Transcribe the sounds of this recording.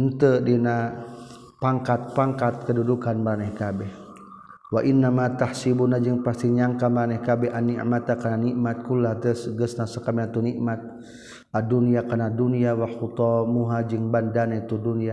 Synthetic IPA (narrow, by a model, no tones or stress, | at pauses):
ənt̪ədina | paŋkat̪̚paŋkat̪̚kədudukanmaɾanɛhkabɛh | waʔinːamat̪ahsibunad͡ʒəŋpast̪iɲaŋkamaɾanɛhkabɛhanːḭʔmat̪akananiʔmat̪̚kulːaht̪əsɡəsnasəkamɛnat̪uniʔmat̪̚ | ʔaduniakanaduniawaxut̪ɔmuɦad͡ʒəŋbandanait̪udunia